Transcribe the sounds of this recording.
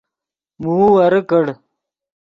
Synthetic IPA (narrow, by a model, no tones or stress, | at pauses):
muwɐɾəkəɽ